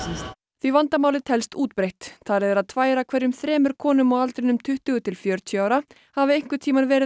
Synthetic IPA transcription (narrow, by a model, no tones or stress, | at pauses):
θvivant̪amaːwlɪt̪ʰɛlst̪uːt̪̚pɾejht̪ʰaɾɛðɛɾaðt̪ʰvaːjɾakʰvɛɾjʏmθɾɛːmʏɾ̥kʰɔːnʏmɔwalt̪ɾɪnʏmt̪ʰʏht̪ʏɣʏt̪ʰɪlfjœɾt̪ʰjaːwɾa | havɪejŋ̥kvʏt̪ʰiːmanvɛːɾɪ